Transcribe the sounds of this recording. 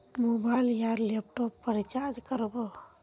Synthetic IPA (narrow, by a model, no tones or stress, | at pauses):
mobajljaɾlep̚ʈɔpːəɾit͡ʃad͡ʒkəɾbɔ